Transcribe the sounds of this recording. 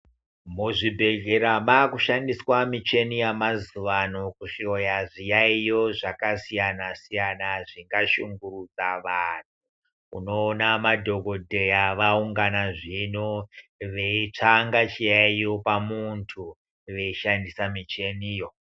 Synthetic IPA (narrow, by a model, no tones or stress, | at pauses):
muʐibʱe̞ɡʱe̞ɾamaːkuʃandiswamit͡ʃe̞nijamazuʋanokuʃiojaʐijaijo̞ʐakasijanasijanaʐiŋɡaʃuŋɡurud͡zaʋan̤u | ṵno̞ːnamadʱo̞ɡo̞dʱe̞jaʋauŋɡanaʐinoʋe̞it͡ʂaŋɡat͡ʃijaijo̞pamuntʰu | ʋe̞iʃandisamit͡ʃe̞nijo̞